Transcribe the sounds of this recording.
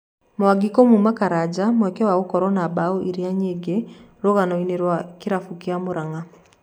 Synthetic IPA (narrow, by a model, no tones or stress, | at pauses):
mowaɡikɔmumakaɾad͡ʒamwɛkɛwaɣokɔɾɔnabaoʔiɾiaɲeɡeɾoɣanɔineɾwakiɾafukiamoɾaŋa